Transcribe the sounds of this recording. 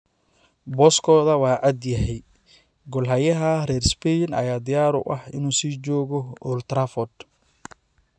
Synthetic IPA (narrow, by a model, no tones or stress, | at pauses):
bɔːskʰɔːðɐwɑːʔɐd̪jɐɦɛj | ɡɔlɦɐjɐɦɐrɛːrspɛnɐ̰jaːd̪ɪjaːɾʊ̰ʔɐhɪ̰nuːsiːd͡ʒɔːɣɔʊlt̪ɾafɔd̪